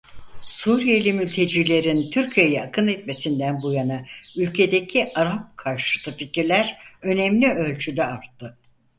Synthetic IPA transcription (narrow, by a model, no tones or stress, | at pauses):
suːɾijelʲimylʲt̪ʰe̞d͡ʒilʲe̞ɾint̪ʰyɾcʰijejɛakʰɯnɛt̪me̞sind̪ænbujanaylʲcʰe̞d̪ecʰiʔaɾap̚kʰaɾʃɯt̪ʰɯficiɾlʲæɾø̞nɛmlʲiø̞lʲt͡ʃʰyd̪ɛaɾt̪ʰːɯ